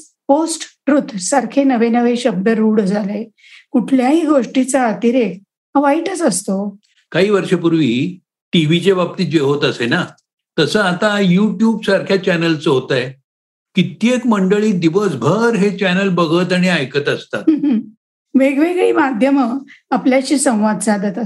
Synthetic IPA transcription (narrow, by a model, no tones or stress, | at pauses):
posʈʈɾut̪səɾkʰenəʋenəʋeɕəb̚d̪əɾuːɽd͡zʱale | kuʈʰljaɦiːɡoʂʈit͡saːt̪iɾek̚ | ɦə̃ʋaiʈət͡səst̪o | kaɦiːʋəɾʂəpuɾʋi | ʈiʋ̤it͡ɕeʋap̚t̪iːd͡ʑeɦot̪əsena | t̪əsəat̪ajuʈjuːbsaɾkʰjat͡ɕænəlt͡səɦot̪aje | kit̪jekməɳɖəɭiːd̪iʋəsbʱəɾɦet͡ɕænəlbəɡət̪aɽ̃iajkət̪əst̪a̰t̪ | ʋeɡʋeɡɭiːmad̪ʱjəməapljat͡ɕiːsə̃w̃ʋad̪d͡zad̪ət̪ə